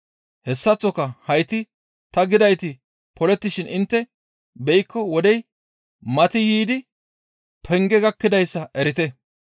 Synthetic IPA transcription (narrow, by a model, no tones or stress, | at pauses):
hɛsːɐt͡sːɔkɐhɐjt̪ɪ | t̪ɐɡɪd̪ɐjt̪ɪ | pɔlɛt̪ːɪʃɪnɪnt̪ːɛ | bɛjkʰːɔwɔd̪ɛj | mɐt̪ɪjiːd̪ɪ | pʰɛŋɡɛɡɐkːɪd̪ɐjsːɐʔɛɾɪt̪ɛ